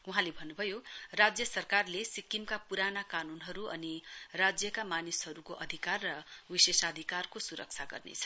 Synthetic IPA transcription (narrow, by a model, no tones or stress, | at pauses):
uɦãlebʱʌnːubʱʌjorad͡zjʌsʌrkarlesikimkapuɾanakanunɦʌɾuʌnirad͡zjʌkamanisɦʌɾukoʔʌd̪ʱikarːʌwisesad̪ʱikarkosuɾʌ̰k̚t͡sʰaɡʌ̰rnḛt͡sʰʌ̥